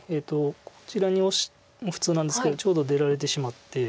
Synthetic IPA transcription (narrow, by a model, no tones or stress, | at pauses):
eːt̪o̞kʰo̥t͡ɕiɾaɲ̟io̞ɕi̥ | moɸɯ̥t͡sɨːnãnd̪e̞sɨ̥ked̪o̞t͡ɕo̞ːd̪o̞d̪e̞ɾaɾe̞t̪e̞ɕimat̪ːe̞